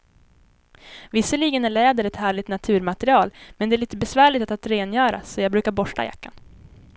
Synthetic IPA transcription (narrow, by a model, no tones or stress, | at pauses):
vɪsːəɭiːɡənæɭɛːd̪əɾɛt̪hæːɭɪt̪nat̪ʰʉ̟ːɾmat̪ɛɾɪɑːlmɛnd̪ɛæɾɭiːt̪əbɛsvæːɭɪt̪at̪at̪ɾeːnjœːɾa̰sɔjɑɡbɾʉːkaɾbɔʂʈa̰ja̰kːa̰n